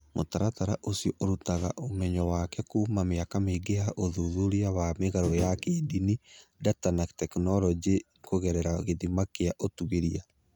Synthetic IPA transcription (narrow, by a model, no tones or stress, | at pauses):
mʔotaɾataɾaʔosjɔʔoɾutaɣaʔomɛɲɔwakɛkuːmameakameɡeaʔoðuðuɾiaβameɣaɾɔjakeːdinidatanaktɛknɔlɔd͡ʒe | koɣɛɾɛɾaɣeðimakeaʔotuɣeɾia